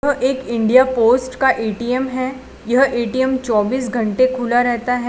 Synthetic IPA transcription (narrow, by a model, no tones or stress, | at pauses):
ɐɦʔeːkɪ̃ɳɖijapoːsʈkaʔeːʈijəmɦɛː | jɐɦʔeːʈiəmt͡ʃɔːbiːs̬ɡʱɐ̃ɳʈekʰuːlaɾɛɦt̪aɦɛ